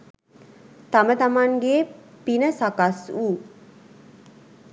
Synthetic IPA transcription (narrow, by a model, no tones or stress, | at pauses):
t̪amət̪amaŋɡepinəsakasuː